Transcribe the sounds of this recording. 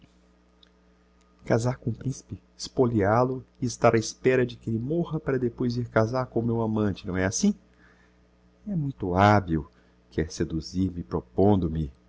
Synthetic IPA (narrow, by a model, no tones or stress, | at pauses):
kazaɾkõʊpɾĩsi̥pɪ | spolialʊɪɪst̪aɾʔaɪspɛɾɐd͡ʒɪkelɪmohɐpaɾɐd̪epojziɾkazaɾkõʊmewamɐ̃nt͡ʃɪnɐ̃w̃ɛasĩ | ɛmũj̃t̪ʊabiw | kɛɾsed̪uziɾmɪpɾopõnd̪ʊmɪ